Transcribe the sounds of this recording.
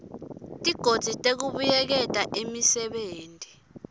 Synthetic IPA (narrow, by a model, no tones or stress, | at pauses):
tʼiɡ̥ʱod̥ʱitʼek̬uɓujɛk̬ɛtʼaʔimisɛɓeːntʼi